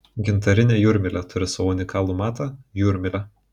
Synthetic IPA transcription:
ɡʲɪnt̪ɐɾʲɪnʲeːjuɾʲmʲɪlʲɛt̪ʰʊɾʲɪsɐʋʊnʲɪkɑːlˠumɑːt̪ɐjuːɾʲmʲɪlʲɛ

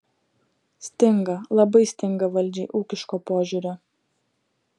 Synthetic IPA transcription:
sʲt̪ʲɪŋɡɐlˠɐbɐɪsʲt̪ʲɪŋɡɐʋɐlʲˑd͡ʒʲɛɪʔuːkʲɪʃkoːpoːʒʲuːɾʲoː

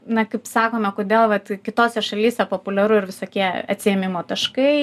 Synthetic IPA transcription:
nɐkɐɪpsɑːkoːmʲɛkoːd̪ʲeːlˠʋɐt̪kʲɪt̪oːsʲɛʃɐlʲiːsʲɛpoːpʊlʲɛɾʊɪɾʋʲɪsoːkʲiɛɐt̪ʲsʲɪjɛmʲɪmoːt̪ɐʃkɐɪ

